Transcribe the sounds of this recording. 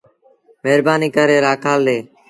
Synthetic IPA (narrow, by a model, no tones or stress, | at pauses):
meːɾbaːniːkəɾeːɾaːkʰaːld̪eː